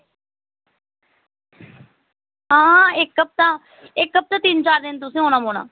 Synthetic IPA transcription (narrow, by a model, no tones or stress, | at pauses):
ɦãːɪkːəp̚t̪ãː | ɪkːəp̚t̪ãːt̪ɪnt͡ʃaːɾd̪ɪnt̪̬ʊsĩːɦoːnãːmoːna̰ː